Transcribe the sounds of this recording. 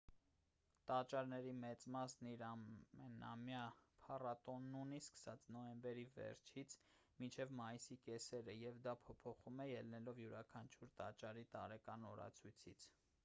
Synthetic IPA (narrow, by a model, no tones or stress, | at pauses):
t̪ɑt͡ʃɑɾnɛɾimɛt͡smɑsniɾɑɛnɑ̰mjɑpʰɑrɑt̪ɔnːuniskə̥sɑt͡snɔjɛmbɛɾivɛ̰ɾt͡ʃʰit͡sʰ | mint͡ʃʰɛvmɑjisikɛsɛɾəjɛvd̪ɑpʰɔpʰɔχumɛjɛlnɛlɔvjuɾɑkʰɑnt͡ʃʰuɾt̪ɑt͡ʃɑɾit̪ɑɾɛkɑnɔɾɑ̰t͡sʰujt͡sʰit͡sʰ